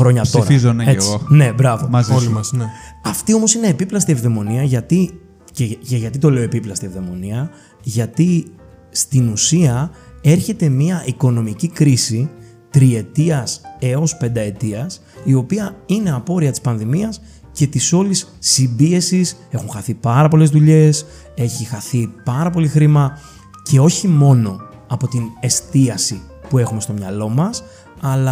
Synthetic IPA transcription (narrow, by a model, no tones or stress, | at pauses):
ɾo̞ɲɐt̪oɾɐizoneeeiɣone̞bɾɐvoml | ɐft̪io̞mo̞sine̞ːpiplɐst̪ievðe̞mo̞niɐʝɐt̪i | ceʝʝɐt̪it̪o̞le̞o̞e̞piplɐst̪ievðe̞mo̞niɐ | ʝɐt̪ist̪inusiɐe̞ɾçe̞t̪e̞miɐʔiko̞no̞micikɾisi | t̪ɾie̞t̪iɐse̞o̞spe̞nd̪ɐe̞t̪iɐs | io̞piɐine̞ɐpo̞ɾiɐt̪i̥spɐnðimiɐs | ce̞t̪iso̞lisːimbie̞sis | e̞xunxɐθipɐɾɐpo̞le̞zðuʎe̞s | e̞çixɐθipɐɾɐpo̞lixɾimɐ | ce̞o̞çimo̞no̞ | ɐpo̞t̪ine̞st̪iɐsipue̞xume̞st̪o̞mɲɐlo̞mɐs | ɐlɐ